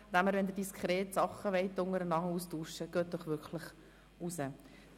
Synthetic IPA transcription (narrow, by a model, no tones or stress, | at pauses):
d̥̪æməɾʋɛnd̪ədiskʰɾeːtsɑχːəʋɛɪt̪ːʊŋəɾənɑŋəuːstuːʃəɡ̥øːt̚d̥ɔχʋʏɾkʰləχ | usə